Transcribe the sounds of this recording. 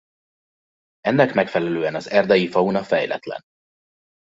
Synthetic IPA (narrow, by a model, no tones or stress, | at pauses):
ɛnːɛkmɛkfɛlɛløːɛnɒzɛrd̪ɛjifɒunɒfɛjlɛ̰t̪lɛ̰n